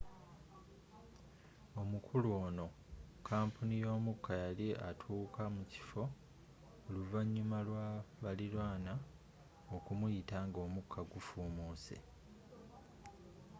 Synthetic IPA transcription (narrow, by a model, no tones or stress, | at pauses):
o̞mukʰuluo̞ːno̞ | kʰaːmpʰunijo̞ːmukʰːajaliʔa̰tʰuːkʰamuci̥fo̞ | oluvaɲːumalwaβalilwaːna | okumujitaːŋɡo̞ːmukʰːaɡufuːmuːse̞̰